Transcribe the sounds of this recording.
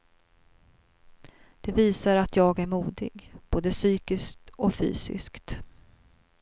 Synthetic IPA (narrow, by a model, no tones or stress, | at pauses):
d̪̥ɛviːsaɾat̪ʰjɑːɡæɾmuːd̪ɪ̰ɡb̥oːd̪əsyːkɪskt̪ɔfy̰ːsɪ̰skt̪